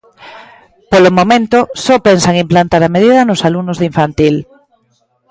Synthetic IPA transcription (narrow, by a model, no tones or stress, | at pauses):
polomõmẽnt̪osɔpensaŋimplant̪aɾameðiðanosalunozðiɱfant̪il